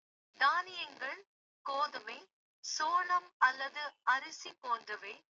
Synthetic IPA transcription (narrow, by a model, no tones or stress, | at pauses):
d̪aːnɪjɐŋɡɐɭ | koːðɯmeɪ | soːlɐmɐlːɐðɯɐɾɯsipoːndrɯʋeː